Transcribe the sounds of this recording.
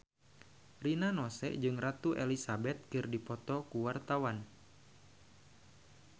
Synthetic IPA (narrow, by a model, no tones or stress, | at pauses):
rinanɔsɛ̰ʔd͡ʒɨŋrat̪uʔɛlisabɛt̪̚kɨrdipɔt̪ɔkuwart̪awan